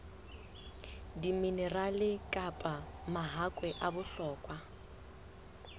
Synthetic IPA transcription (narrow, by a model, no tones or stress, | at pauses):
diminɛralɪkʼapʼamaɦakʼwɛʔabʊɬɔːkʼwa